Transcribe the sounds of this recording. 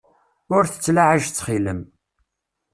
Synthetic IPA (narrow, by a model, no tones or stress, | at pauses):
ʊɾθə̥t͡sːlaʕaʒt͡sːχiləm